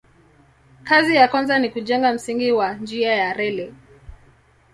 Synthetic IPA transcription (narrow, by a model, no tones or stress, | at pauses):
kazijakwanzanikuʄɛŋɡam̩siŋɡiwand͡ʒiajaɾɛlɛ